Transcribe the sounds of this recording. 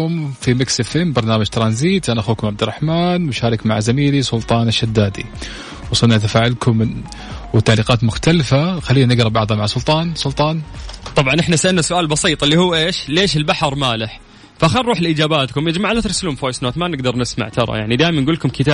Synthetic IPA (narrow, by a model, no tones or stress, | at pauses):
ʊmfimɪksɪfɪmbɑɾˤnaːmad͡ʒt̪ɾˤɑnziːt̪ʔanaʔaxuːkʊmʕabd̪ɪrˤːɑħmaːnmʊʃaːɾˤɪkmaʕazamiːlisˤʊlt̪ˤɑːnaʃːad̪ːaːd̪ḭ | wɑsˤɑlnat̪afaːʕalkʰʊm | wt̪ːaʕliːqɑːt̪mʊxt̪alfaxalːiːanɪɡɾˤɑbɑʕðˤhamaʕasˤʊlt̪ˤɑːnsʊlt̪ˤɑːnt̪ˤɑbʕɑnʔɪħnasaʔɪlnːasʊʔaːlbɑsiːt̪ˤɪlːihuːʔeːʃleːʃɪlbaħɑɾˤmaːlɪħ | fʔaxanˤɾˤuːħlʔiːd͡ʒaːbaːt̪kʊmjɪd͡ʒmaʕalat̪ɾˤsɪlʊmfoːjsnoːt̪manɪɡd̪ɑɾˤnɪsma̰ʕt̪ʰɑɾˤɑ̰jaʕnid̪aːjmanɡuːlːkʊmkɪt̪aː